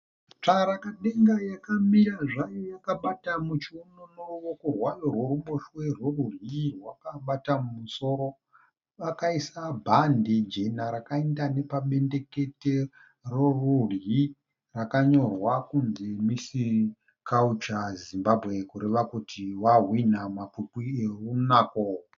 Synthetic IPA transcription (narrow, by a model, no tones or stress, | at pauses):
t͡ʂaɾakaɗe̞ŋɡajakamiɾaʐajojakaɓatamut͡ʃiononowokurwajorwo̞ɾumbo̞ʃwe̞rwerurjirwakaɓatamumuso̞ɾo̞ | ʋakaisabʱandid͡ʒenaɾakaendane̞paɓe̞nde̞ke̞te̞ | rorurji | rakaɲo̞rwakunzimisi | kaut͡ʃazimbabʱɣe̞kuɾe̞ʋakutʰiwaɦwinamapupierunaːko